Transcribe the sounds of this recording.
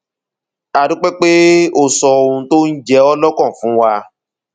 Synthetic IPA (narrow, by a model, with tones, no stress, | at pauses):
a˨dũ˦k͡pɛ˦k͡pe˦o˧sɔ˧o˧ũ˧˦to˦n̩˦d͡ʒɛ˧˦ɔ˦lɔ˦kɔ̃˦˨fũ˨˦wa˧